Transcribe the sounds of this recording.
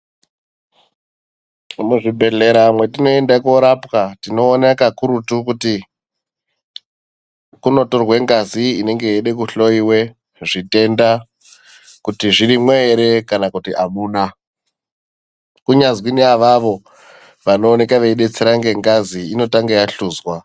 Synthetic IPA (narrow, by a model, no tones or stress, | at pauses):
muʐibʱe̞ɮe̞ɾamwe̞tinoe̞ndakoɾapkatino̞ːnakakuɾutukuti | kuno̞torwe̞ŋɡaziine̞ŋɡejeɗek̬uɬo̞iwe̞ | ʐite̞nda | kutiʐiɾimweːɾe̞kanakutiʔamuːna | kuɲazwiniaʋaʋo̞ | ʋano̞ːne̞kaʋeiɗe̞t͡seɾaŋɡe̞ŋɡaziino̞taŋɡejaɬuːzwa